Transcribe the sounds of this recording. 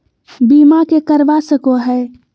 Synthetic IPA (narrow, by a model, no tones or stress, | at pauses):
biːmakekəɾʋasəkoɦɛː